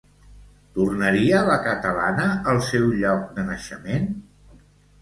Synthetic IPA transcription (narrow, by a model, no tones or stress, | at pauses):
t̪urnəɾiələkət̪əla̰nəəlˠsɛwʎɔk̚d̪ənəʃəmen